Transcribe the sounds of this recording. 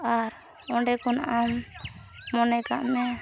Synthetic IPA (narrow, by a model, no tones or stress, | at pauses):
aɾ | ɔɳɖɛkɔnaʔam | mɔnɛka̰ʔmɛ